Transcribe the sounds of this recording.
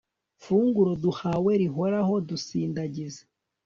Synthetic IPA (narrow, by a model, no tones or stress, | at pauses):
fuːŋɡuɾoduhawe̞ɾiɦoɾaho̞dusiːndaɟize